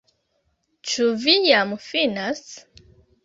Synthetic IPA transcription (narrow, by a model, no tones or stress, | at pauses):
t͡ʃuvijamufinas